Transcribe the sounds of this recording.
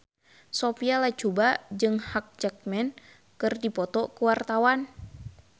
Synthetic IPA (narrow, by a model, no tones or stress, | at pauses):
sopialat͡ʃubad͡ʒɨŋhak̚d͡ʒak̚mɛn | kɨrdipɔt̪ɔkuwart̪awan